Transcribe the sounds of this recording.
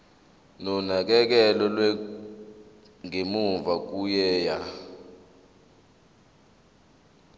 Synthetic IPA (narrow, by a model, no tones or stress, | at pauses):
nɔnak̬ɛk̬ɛlɔlwɛ | ŋemuɱvak̬ujɛːja